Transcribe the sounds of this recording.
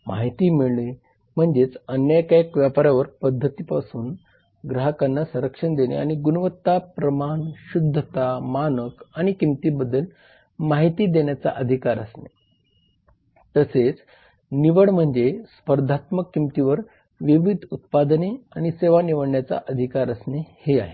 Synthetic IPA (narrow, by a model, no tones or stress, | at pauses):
ma̰ɦit̪iːmiɭɳi | m̤əɳd͡zet͡sənjəkajəkʋjapaɾaʋəɾpəd̪ʱːət̪iːpasuːn | ɡɾəɦəkanːasə̃ɾəkʂəɳd̪enḛa̰ñiɡunəʋət̪ːapɾəmaɳɕud̪ʱːət̪amanəkaɽ̃ikimt̪iːbəd̪ʱːəl | maɦit̪iːd̪eɳjat͡sa̰ʔəd̪ʱikaɾəsne | t̪əset͡s | niʋəɽm̤əɳd͡zespəɾd̪ʱat̪məkːimt̪iʋəɾ | ʋiʋid̪ʱut̪̚pad̪neañiseʋaniʋəɽɳjat͡sa̰ʔəd̪ʱikaɾəsneheaɦe